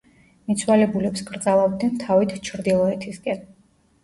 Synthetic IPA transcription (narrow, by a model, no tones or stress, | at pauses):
mit̪sʰwalɛbulɛpskɾt̪zʼalˠavd̪nɛnt̪ʰavit̪t͡ʃʰɾd̪ilˠɔɛt̪ʰiskʼɛn